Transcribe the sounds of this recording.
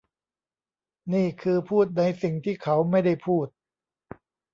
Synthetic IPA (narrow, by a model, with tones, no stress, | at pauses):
niː˥˩kʰɯː˧pʰuː˥˩t̪̚na˧jsi˨˩ŋt̪ʰiː˥˩kʰa˦˥wma˥˩jda˥˩jpʰuː˥˩t̪̚